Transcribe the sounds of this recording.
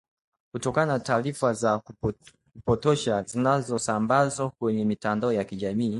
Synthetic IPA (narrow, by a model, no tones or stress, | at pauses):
kutɔkananataːɾifazak | kupɔtɔʃazinazɔsambazwakwɛɲɛmitandaɔjakiʄamiː